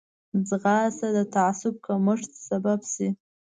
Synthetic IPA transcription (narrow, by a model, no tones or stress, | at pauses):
d͡zʁɑsad̪at̪ʰaʕasʊb̚kʰaməʂt̪sababsi